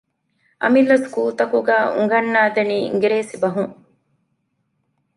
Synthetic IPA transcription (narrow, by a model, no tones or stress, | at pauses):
ʔɐ̰milːɐskuːt̪ɐkuɡæːʔṵŋɡɐnːaːd̪enḭːŋɡeɾeːsibɐɦuŋ